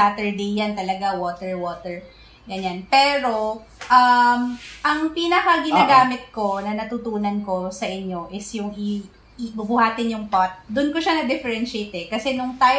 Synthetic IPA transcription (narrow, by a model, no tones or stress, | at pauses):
aːt̪ɛɹd̪ejːant̪ɐlɐɡawoːt̪ɛɹwoːt̪ɛɹ | ɡɐnjanpɛːɾo̞ | ʔɐmʔɐŋpiːnɐkɐɡɪnaːɡaːmɪt̪̚ko̞nɐnɐt̪ut̪uːnɐnko̞sɐʔɪɲjo̞ʔɪsjʊŋɪ | bʊbʊhaːt̪ɪnjʊŋpat̪̚d̪ʊnkoʃanɐd̪ɪfɛɹɛnʃejt̪ɛkɐsɛnʊŋt̪aːj